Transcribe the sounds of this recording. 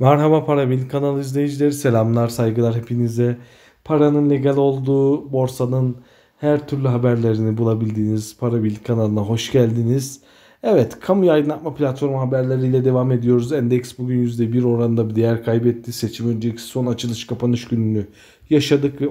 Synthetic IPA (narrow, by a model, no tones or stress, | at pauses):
maɾɦabapʰaɾabilʲikʰːanalˠɯizlʲe̞jid͡ʒilʲeɾise̞lʲamlˠaɾsajɡɯlˠaɾɦe̞pʰinizd̪ɛ | pʰaɾanɯnlʲe̞ɟalʲo̞lˠd̪uːbo̞ɾsanɯn | hæɾt̪ʰyɾlʲyɦabæɾlʲe̞ɾinibulˠabilʲd̪iːniz̥pʰaɾabilʲːikʰːanalˠɯnaɦo̞ʃɟælʲd̪iniz̥ | ɛvɛt̪kʰamujajd̪ɯnat̪̚mapʰlʲat̪fo̞ɾmɦabæɾlʲeɾiːlʲɛd̪e̞vaːme̞d̪ijo̞ɾuzænd̪ɛcsbuɟʲynjyzd̪ɛbiɾo̞ɾand̪abid̪ejæɾkʰajbɛt̪ʰːise̞t͡ʃʰimønd͡ʒeicii̥so̞nat͡ʃʰɯlˠɯʃkʰapʰanɯʃɟynyny | jaʃad̪ɯkvɛ